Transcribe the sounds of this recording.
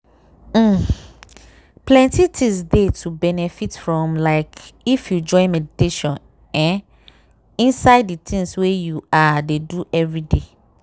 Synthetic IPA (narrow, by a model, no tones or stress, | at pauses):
plɛ̃ntitʰĩsdetʰubɛnɛfitfɹɔ̃mlaɪkifjud͡ʒɔ̃ɪ̃nmɛditeʃɔ̃n | ɛ̃n | ĩnsaɪdːitĩŋswejuadeduʔɛvɹide